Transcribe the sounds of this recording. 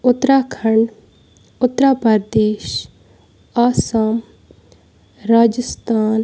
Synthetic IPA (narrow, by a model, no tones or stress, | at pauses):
ʊt̪ːɾaːkʰəɳ | ʊt̪ɾaːpəɾd̪eːʃ | aːsaːm | ɾaːd͡ʒəst̪aːn